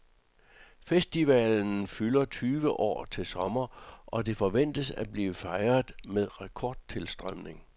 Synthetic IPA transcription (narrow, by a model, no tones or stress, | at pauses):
fesd̥iʋɛ̰ln̩fylɐt͡sʰyːʋəʔɒ̰ːt͡sʰe̝lsɒ̽mɐʔɒ̽de̝fɒ̽ʋen̰d̥əsæb̥liːfɑ̈ɪɐðˠmeðˠʁakʰɒ̰ːd̥̚t͡sʰe̝lsd̥ʁɶmne̝ŋ